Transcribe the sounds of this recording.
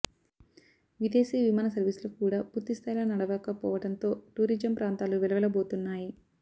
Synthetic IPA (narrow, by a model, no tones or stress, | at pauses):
ʋid̪e̞ːsiːʋimaːnɐsɐɾʋiːsulukuːɽaːpuːɾt̪ist̪ʰaːjlɐːnɐɽɐʋɐːkɐpɔ̰ːʋɐʈɐnt̪o̞ːʈuːɾid͡ʒɐmpɾaːnt̪aːluʋɛɭɐʋɐlɐbo̞ːt̪unːaːji